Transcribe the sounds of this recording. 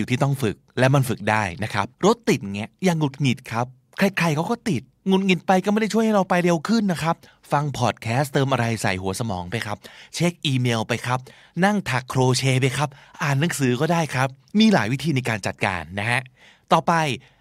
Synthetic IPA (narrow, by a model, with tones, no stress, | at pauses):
t̪ʰiː˥˩t̪ɔ˥˩ŋfɯ˨˩k̚lɛ˦˥wma˧nfɯ˨˩k̚daː˥˩jna˦˥kʰa̰˦˥p̚ɾo˦˥t̪ːi˨˩t̪̚ŋɛ˦˥jaː˨˩ŋːu˨˩t̪̚ŋi˨˩t̪̚kʰa˦˥p̚ | kʰɾa˧˥jkʰɾa˧jkʰa˦˥wkɔː˥˩t̪i˨˩t̪̚ŋu˨˩t̪̚ŋi˨˩t̪̚pa˧jkɔː˥˩m˥˩da˥˩t͡ɕʰu˥˩əha˥˩jɾa˧wpa˧jɾe˧wkʰɯ˥˩nːa˦˥kʰa˦˥p̚ | fa˧ŋpʰɔː˨˩t̪̚kʰɛː˦˥st̪ɤː˧mʔa˧ɾa˧jsa̰˨˩jɦu˨˩˦ɐsa˧mɔ̰ː˩˦ŋpa˧jkʰa˦˥p̚t͡ɕʰe˦˥k̚ʔiː˧meː˧wpa˧jkʰɾa˦˥p̚ | na˥˩ŋt̪ʰa˨˩kʰːɾoː˧t͡ɕʰeː˧p̬a˧jkʰa˦˥p̚ʔaː˨˩nːa˩˦ŋsɯː˩˦kɔː˥˩daː˥˩jkʰɾa˦˥p̚ | miː˧laː˩˦jwi˦˥t̪ʰiː˧na˧jkaː˧nt͡ɕa˨˩t̪̚ka̰ː˧nːa˦˥ɦa˦˥ʔ | t̪ɔː˨˩pa˧j